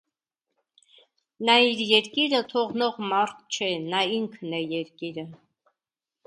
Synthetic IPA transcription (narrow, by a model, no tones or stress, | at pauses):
nɑiɾjɛɾkiɾət̪ʰɔʁnɔʁmɑɾt̪ʰt͡ʃʰɛnɑiŋkʰnɛjɛɾkiɾə